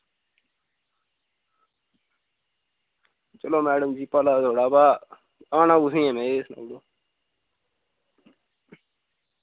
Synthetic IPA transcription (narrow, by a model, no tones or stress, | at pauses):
t͡ʃəloːmɛːɖəmd͡ʒiːpəlaːt̪ʰoːɽaːbaː | aːnãːʊsĩːɛ̃ːmɛ̃ːeːsna̰ːɽoː